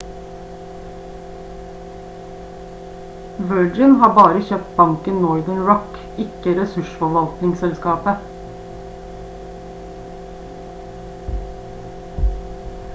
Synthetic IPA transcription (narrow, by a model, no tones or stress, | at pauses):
ʋœːd͡ʒɪnhɑːbɑːɾəçøːp̚t̪̚bɑŋkənnɔʏd̪əɳɹɔk | ɪkəɾɛsʉʃfɔʋɑlt̪nɪŋsɛlskɑːpə